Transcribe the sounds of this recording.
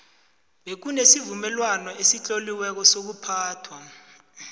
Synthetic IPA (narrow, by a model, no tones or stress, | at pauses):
ɓek̬unesivumɛlwanɔʔesit͡ɬʼoliwɛk̬ɔsok̬upʰaːtʰwa